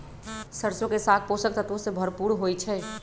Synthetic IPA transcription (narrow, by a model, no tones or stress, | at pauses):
səɾsõkesat̪̚ʰposək̚t̪ət̪ʋosẽbʱəɾpuɾɦojt͡ʃʰɛ